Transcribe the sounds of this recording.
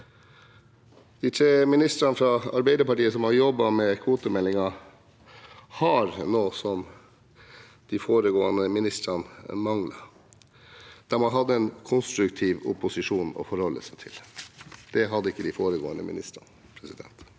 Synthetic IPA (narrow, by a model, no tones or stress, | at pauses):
d̪̥iːt̪ʰɾeːmɪnɪst̪ɾɑnfɾɑɑɾbæɪd̪əɾpɑʈiːəsɔmhɑɾjɔbːɑmɛkʰʋuːt̪ʊmɛlːɪŋɑ | hɑɾnoːsɔm | d̪̥ifoːɾəɡoːənəmɪnɪst̪ɾɑnmɑŋlɑ | d̪̥æmɑnɦɑd̪ːəɛnkʰʊnst̪ɾʉkt̪ʰiːʋʊ̰pʊsɪʂuːnɔ̰fɔɾhɔlːə̰sət̪ʰɪ̰ld̪̥ɛɦɑd̪ːəɪkːəd̪ifoːɾəɡoːənə̰mɪ̰nɪ̰st̪ɾɑ̰n | pʰɾɛsɪd̪ɛ̰nt̪